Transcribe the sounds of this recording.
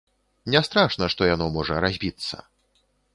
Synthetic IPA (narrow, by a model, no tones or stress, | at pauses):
nʲɛst̪ɾaʂnɐʂt̪ɔjanɔmɔʐɐɾazʲbʲit̪sːɐ̰